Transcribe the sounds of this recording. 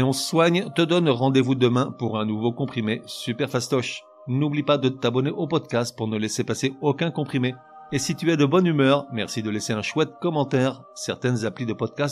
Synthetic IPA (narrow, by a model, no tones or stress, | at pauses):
ɔ̃swaɲt̪əd̪ɔnʁɑ̃d̪evud̪əmɛ̃puʁɛ̃nuvokɔ̃pχimesypɛʁfast̪ɔʃ | nublipad̪ət̪abɔneʔopɔd̪̚kʲast̪̚puʁnəlɛsepaseokʲɛ̃kɔ̃pχimeː | sit̪yɛd̪əbɔnymœːʁmɛʁsid̪əlɛseɛ̃ʃwɛt̪̚kɔmɑ̃t̪ɛʁ | sɛʁt̪ɛnzaplid̪əpɔd̪̚kʲas